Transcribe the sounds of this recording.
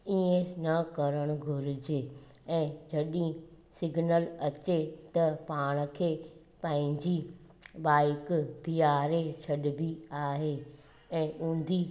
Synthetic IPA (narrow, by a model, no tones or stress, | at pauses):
iẽnɐkɐɾəɽ̃ʊ̆ɡʱʊɾɪd͡ʑeɛ̃ːd͡ʑʱɐɗĩ | sɪɡʱnəlɐt͡ɕet̪ɐpaːɽ̃̆kʰeː | pɐ̃ɦɪ̃ɲd͡ʑi | ɓaːɪkbiːaːɾet͡ɕʰɐɗbiaːɦe | ɛ̃ːʔũːn̆d̪i